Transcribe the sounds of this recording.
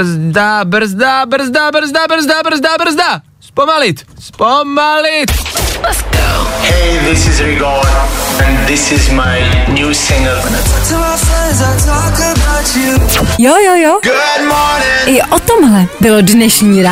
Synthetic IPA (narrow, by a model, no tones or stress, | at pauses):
zdabr̩zd̪abr̩zd̪abr̩zd̪abr̩zd̪abr̩zd̪abr̩zd̪a | spomalɪt̪spomalɪt̪lɛtsɡ̥oʊheɪðɪsɪzɹɪɡɑːdə̃nðɪsɪzmaɪnjuːsɪ̃ŋəvənətʰəmaɪfɹɛ̃nzatʰɔkəəbaʊt͡ʃujojojoɡ̥ʊd̚mɔɹnənɪʔɔt̪ɔmɦlɛbɪlodnɛʃɲiːɾa